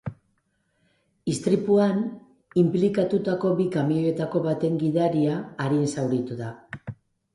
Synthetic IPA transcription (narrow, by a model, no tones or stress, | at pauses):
ist̪ɾipuan | implikat̪ut̪ako̞bikamioe̞t̪ako̞βat̪e̞ŋɡiðaɾiaːɾinsawɾit̪uða